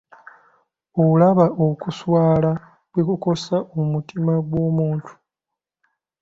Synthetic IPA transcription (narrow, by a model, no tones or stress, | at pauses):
oulaβaʔokuswaːla | βwekuko̞saʔomutimaɡwo̞ːmuːntʰu̥